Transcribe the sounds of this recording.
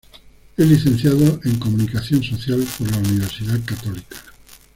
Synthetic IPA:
eliθẽn̟θjaðoeŋkomũnikaθjõnsoθjalpoɾlauniβ̞eɾsiðaðkat̪olikḁ

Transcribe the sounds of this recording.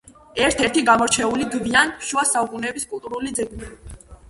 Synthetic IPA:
ɛɾt̪ʰɛɾt̪ʰiɡamɔɾt͡ʃʰɛuliɡvianʃuasaukʼunɛbiskʼulˠt̪ʼuɾulid̪zɛɡni

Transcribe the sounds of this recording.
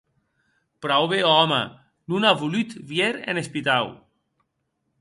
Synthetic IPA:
pɾawβeɔma̰ | nunavulyt̪βjeɾḛnespit̪aw

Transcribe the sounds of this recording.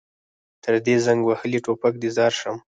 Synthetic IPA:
t̪ʰəɾd̪ezaŋɡwahəliʈopak̚d̪izɑɾʂəm

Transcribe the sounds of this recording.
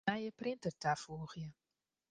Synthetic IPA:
ajəprɪnt̪ərtafuːχjə

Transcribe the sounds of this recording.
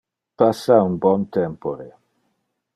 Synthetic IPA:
pasːaunbɔnt̪ɛmpoɾe

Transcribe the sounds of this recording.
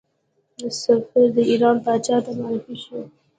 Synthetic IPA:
d̪əsʊfɪɾd̪əiɾɑnp̪ɑt͡ʃɑht̪amaɾɪfiʃu

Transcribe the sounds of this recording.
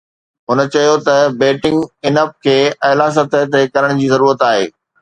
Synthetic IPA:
ɦʊnət͡ɕɐjot̪ɐbeːʈɪ̃ŋɡɪnəp̚kʰeːɐɦlaːs̬ət̪ɐt̪ekɐɾəɽ̃d͡ʑiːzɐɾuːɾət̪aːɦḛː

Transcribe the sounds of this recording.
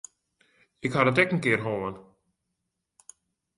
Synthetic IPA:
ɪkhadətɛkn̩kɪːrɦoːən

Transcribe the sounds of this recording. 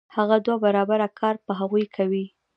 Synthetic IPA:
haɣad̪wabaɾɑbaɾakʰɑɾpəɦaɣujkʰawi

